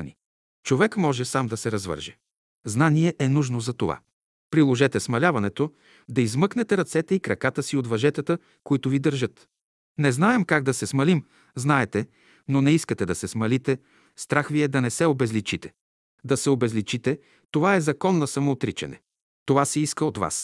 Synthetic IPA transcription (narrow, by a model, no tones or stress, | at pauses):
nḭ | t͡ʃovɛkmɔʒɛsamd̪ɐsɛɾɐzvɤ̰ɾʒɛ | znaniɛʔɛnuʒnozɐt̪ova̰ | pɾilˠoʒɛt̪ɛsmɐlʲavɐnɛt̪o | d̪ɐizmɤknɛt̪ɛɾɐt̪sɛt̪ɛikɾɐkat̪əsiot̪vɐʒɛt̪ət̪ə | koit̪ʊvid̪əɾʒɤt̪ | nɛznaɛmkaɡ̚d̪ɐsɛsmɐlim | znaɛt̪ɛ | nonɛiskət̪ɛd̪ɐsɛsmɐlit̪ɛ | st̪ɾaxviɛd̪ɐnɛsɛobɛzlit͡ʃit̪ɛ̥ | d̪ɐsɛobɛzlit͡ʃit̪ɛ | t̪ovaɛzɐkɔnːɐsɐmoːt̪ɾit͡ʃɛ̰nɛ̰ | t̪ovasɛiskəot̪va̰s